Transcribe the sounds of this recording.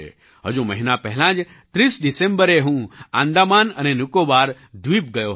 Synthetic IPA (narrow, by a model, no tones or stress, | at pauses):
ḛ | ɦə̰d͡ʒũməɦinapɛɦlãːd͡ʒ | t̪ɾiːsɖɪsẽmbəɾeɦũã̰nd̪amaːnənenʊkobaːɾ | d̪ʋiːp̚ɡəjo